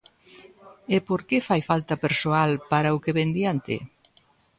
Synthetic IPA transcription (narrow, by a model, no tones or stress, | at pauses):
epoɾkefajfalt̪ɐpeɾsoalpaɾaʊkeβend̪jant̪ɪ̰